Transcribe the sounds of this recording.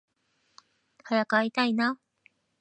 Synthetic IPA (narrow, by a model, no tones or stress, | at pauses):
haɾakait̪aina